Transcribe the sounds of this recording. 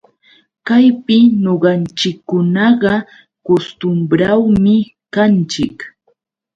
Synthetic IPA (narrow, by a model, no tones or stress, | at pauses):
kajpɪɲoɢɑnt͡ʃɪkːʊnɑɢɑ | kost̪ʊmbɾawmɪ | kant͡ʃɪk